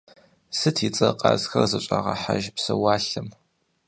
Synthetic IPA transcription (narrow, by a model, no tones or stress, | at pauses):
sɨtʰit͡sʼɐqʼɑzxɐrzɐɕʼaʁɐħaʒpsɐwaːɬɨm